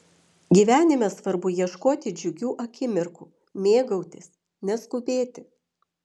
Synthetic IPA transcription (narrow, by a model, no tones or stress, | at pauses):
ɡʲiːʋʲæːnʲɪmʲɛsʋɐɾbʊjiɛʃkoːt̪ʲɪd͡ʒʲʊɡʲuːʔɐkʲɪmʲɪɾkuː | mʲeːɡɐʊt̪ʲɪs | nʲɛskʊbʲeːt̪ʲɪ